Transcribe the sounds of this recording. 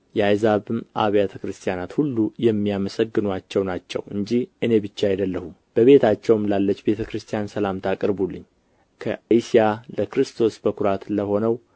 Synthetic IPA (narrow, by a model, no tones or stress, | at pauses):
jɛajzaβɨmʔa̰βjat̪ʰəkɾɨst̪ʰijanat̪hulːujɛmːijaməsəɡːɨnwat͡ʃːɛwnat͡ʃːɛ̰wɨɲd͡ʒihʔɨne̞bɨt͡ʃːajd̪əlːəhumb̥əβe̞t̪ʰat͡ʃːɛwmlalːət͡ʃːbe̞t̪ʰəkɾɨst̪ʰijansəlamt̪ʰakʼəɾbulːɨɲː | kʰə̰isijaləkɾɨst̪ʰo̞sbəkʰuɾat̪ləho̞nəw